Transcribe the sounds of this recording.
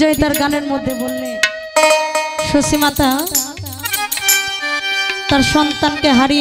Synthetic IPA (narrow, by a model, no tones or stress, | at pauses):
oɦit̪aɾɡaneɾmod̪ʱːebolːe | ʃosimat̪a | t̪aɾʃɔnt̪ankeɦaɾi